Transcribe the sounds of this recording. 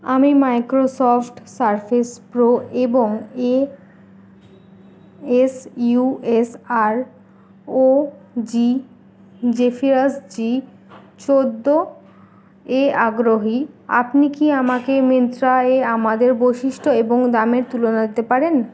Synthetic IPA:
amimajkɾosɔfʈsaɾfʰespɾoeboŋe | esjuesaɾ | od͡ʑi | d͡ʑefʰiɾasd͡ʑi | t͡ɕod̪ːo | eaɡɾoɦia̰pnikiamakement̪ɾaeamad̪eɾbojʃiʃʈʰoeboŋd̪ameɾt̪ulonad̪et̪epaɾen

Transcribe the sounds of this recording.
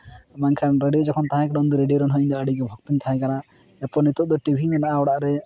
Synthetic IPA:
maŋkʰanɾeɖijod͡ʒɔkʰɔnt̪aɦãkaɽɔnd̪uɾeɖijoɾɔnɦɔiɲd̪ɔəɽiɡɛbʱɔkt̪iɲt̪ʰaɦãkana | ɛpɔnit̪ɔʔd̪ɔʈibʱimɛnaʔaɔɽaʔɾɛ

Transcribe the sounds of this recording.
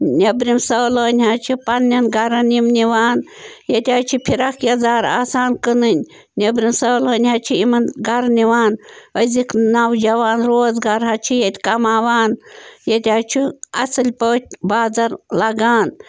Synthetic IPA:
nʲɐbɾimsɐːloːnʲɦɐt͡ʃʰipɐnːʲɐnɡɐɾɐnimniʋaːnjɐt̪ʲaːt͡ʃʰipʰiɾɐkʰjɐzaːɾa̰ːsaːnkɨnɨnʲ | nʲɐbɾimsɐːloːnʲɦɐt͡ʃʰiimɐnɡɐɾniʋaːnəzʲikʰnawd͡ʒɐʋaːnɾoːzɡaɾɦɐt͡ʃʰijɐt̪ʲkɐmaːʋaːnjɐt̪ʲaːt͡ʃʰiɐ̰sɨlʲpəːt̪̚ʲbaːzɐɾlɐɡaːn

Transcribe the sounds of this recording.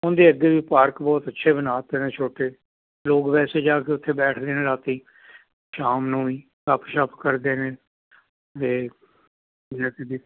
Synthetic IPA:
ʊnd̪eːəɡeːʋiːpaːɾkbɔːt̪ətːʃʰeːbənaːt̪eːneːt͡ʃʰoːʈeː | loːkʋɛːseːd͡ʒaːkeʊt̪ʰːeːbɛːʈʰd̪eːneːlaːt̪iː | ʃaːmnũːiː | kəpʰʃəpkəɾd̪eːneː | t̪eː | ɪãːked̪iː

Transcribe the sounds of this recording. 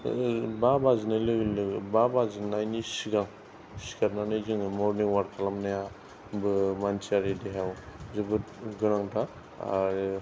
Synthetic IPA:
babazinajlɯlɯbabazinajnisiɡaŋ | siɡatnanɯjzɯŋmɔɾniŋwaɾkʰalamnaja | bɯmansiaɾedeɦawzɯbɯtɡɯɾaŋta

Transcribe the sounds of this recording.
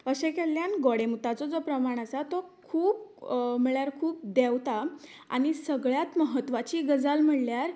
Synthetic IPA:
əɕekeljanɡɔɽemut̪at͡sɔd͡zopɾəmaɽ̃asat̪ɔkʰuːp̚miɭjaɾkʰuːp̚d̪ewt̪a | a̰ñisəɡɭjat̪məɦət̪ːʋat͡ɕiːɡəd͡zalm̤əɽljaɾ

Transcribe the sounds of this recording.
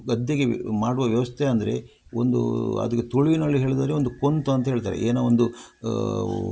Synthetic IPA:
ɡɐd̪jeɡemaːɽuʋɐʋjɐʋɐst̪ʰeɐnd̪ɐɾe̞̰ | o̰nd̪ṵɐ̰d̪ɐkːet̪uɭiʋinɐɭːiɦe̞ːɭd̪aːɾeond̪ukont̪uɐnt̪ɐɦeɭt̪a̰ːɾḛʔeːnaond̪u

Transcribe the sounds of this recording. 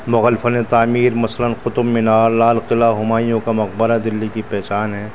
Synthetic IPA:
mʊɣəːlfənet̪aːmiːɾmɐslənqʊt̪ʊmːɪnaːɾlaːlqɪlaɦʊmaːijõkamɐq̚bəɾad̪ɪlːikipɛɦt͡ʃaːnɦɛː

